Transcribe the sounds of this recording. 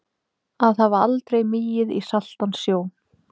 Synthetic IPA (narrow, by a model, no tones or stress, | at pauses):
aðavaɾa̰lt̪ɾejmɪjɪðḭsal̥t̪ansːjoːw